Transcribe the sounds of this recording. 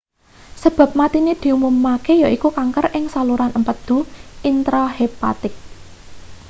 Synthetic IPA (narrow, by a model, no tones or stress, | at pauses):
səb̥a̤p̚mat̪ined̪̥i̤umumːakejaikukaŋkərʔɪŋsaluɾanəmpəd̪̥ṳint̪ɾɔɦepa̰t̪ɪk̚